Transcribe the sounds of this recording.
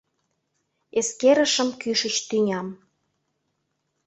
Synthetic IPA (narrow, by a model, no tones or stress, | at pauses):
eskeɾə̆ʃə̆mkyʃə̆t͡ɕt̪ynʲɑm